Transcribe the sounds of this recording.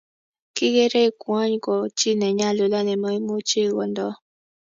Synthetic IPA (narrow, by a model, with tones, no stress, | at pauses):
ki˦ɡe˦ɾe˦˨kwa˦ɲ˨kɔ˨t͡ʃi˦nɛ˨ɲa˦˨lo˨la˦nɛ˨mɔ˦i˦mo˦t͡ʃi˦ɡɔ˨ndɔ˦